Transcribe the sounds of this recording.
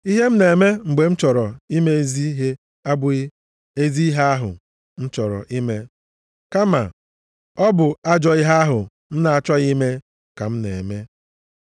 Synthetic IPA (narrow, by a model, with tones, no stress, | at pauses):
i˦ɦe˦m̩˦ne˨e˨me˦ŋ͡m̩˨ɡ͡be˨n̩˦t͡ʃɔ˨ɾɔ˨i˦me˦e˦zi˦ɦe˦ | a˦bʊ˨ɣɪ˦ | e˦zi˦i˦ɦa˦a˦ɦʊ̰˨ | n̩˦t͡ʃɔ˨ɾɔ̰˨ʔi˦me˦ | ka˦ma̰˨ | ɔ˦bʊ˨a˦d͡ʒɔ˨i˦ɦa˦a˦ɦʊ˨ | n̩˦na˨a˨t͡ʃɔ˦ɣi˦me˦ | ka˨m̩˦ne˨e˨me˦